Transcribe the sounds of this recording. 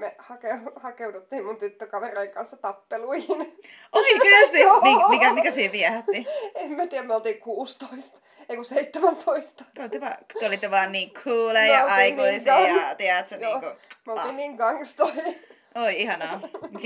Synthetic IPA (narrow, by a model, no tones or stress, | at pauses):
mehɑkeuhɑkeut̪ut̪ːiːmmunt̪yt̪ːøkɑʋereiŋkɑnsːɑt̪ɑpːeluihin | ʔoiyst̪iniːŋkmmikæmikæsiːtiæhæt̪ːiemmæt̪iːæmeolt̪iːkuːst̪oist̪ɑ | eikuseit̪ːemænt̪ʰoist̪ɑ̥t̪eolit̪ːeʋɑːk̪eolit̪ːeʋɑːnniːŋkʰuːleːjɑɑikoisjɑt̪iæt̪sæniːŋkumeoliːnniːŋɡɑŋst̪ohi | ʔoiihɑnɑː